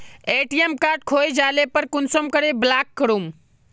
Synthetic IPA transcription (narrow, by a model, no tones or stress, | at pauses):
eːʈijemkaːʈ̚kʰojd͡ʒaːlepəɾkʊnsəmkəɾeblaːkːəɾum